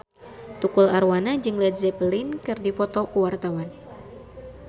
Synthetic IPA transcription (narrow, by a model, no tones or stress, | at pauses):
t̪ukulaɾwanad͡ʒɨŋlɛdzɛpəlinkɨrdipɔt̪ɔkuwart̪awan